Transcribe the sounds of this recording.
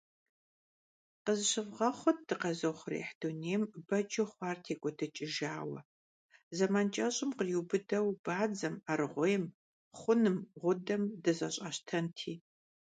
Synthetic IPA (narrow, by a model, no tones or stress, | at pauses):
qəzɕɨvʁɐχʷɔt̚d̥ɨqɐzɐwχʷrḛːħd̥uneːmbɐd͡ʒɪχʷɑːrtʰeːkʷʼɔdʰɨt͡ʃʼɪʒaːwɐ̰ | zɐmaːnt͡ʃʼɐɕʼɪmqəjubɨdɐwb̥aːd͡zɐmarɨʁʷɔjɛm | χʷʊnɨmʁʷʊdɐmdɨzɐɕʼɐɕtʰɐntʰiː